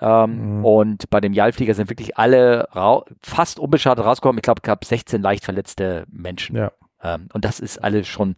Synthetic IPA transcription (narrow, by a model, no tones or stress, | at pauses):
ʔɛːmʔʊntb̥aɪdeːmjalfliːɡɐzɪntv̥ɪɐklɪçʔa̰ləʁaʊfastʔʊnbəʃaːdətʁaʊsɡ̥əkʰɔmnɪçɡ̥laʊbə̥sɡ̥aːbz̥ɛçt͡seːnlaɪçtfɛɐlɛt͡stəmɛnʃn̩ | ʔɛːmʔʊnt̚d̥asɪstʔa̰ləsʃoːn